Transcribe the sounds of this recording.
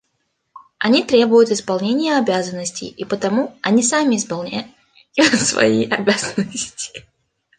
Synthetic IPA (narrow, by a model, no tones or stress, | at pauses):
ɐnʲit̪ɾʲe̞bʊjʊt̪ɪspɐlˠnʲenʲɪjəɐbʲazənːəsʲtʲɪ̰jipət̪ɐmuɐnʲisamʲɪɪspɐlˠnʲa̰t̪ | svɐ̰jiʔɐbʲazənəsʲtʲɪ̥